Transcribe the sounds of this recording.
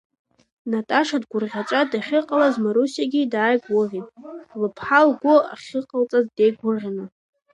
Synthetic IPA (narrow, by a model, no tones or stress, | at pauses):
natʼaʂadɡʷʊrʁʲat͡ʃʷʼadaχʲɪqʼalazmaɾusjaɡʲidaːjɡʷʊʁʲitʼlɨpʰħalɡʷoa̰χʲɪqʼalt͡sʼazde̞jɡʷʊrʁʲanɨ